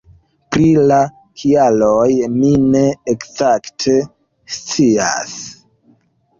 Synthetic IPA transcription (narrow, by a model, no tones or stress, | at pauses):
pɾila | kʰialojmineekzaktʰe̞ | st͡sia̰s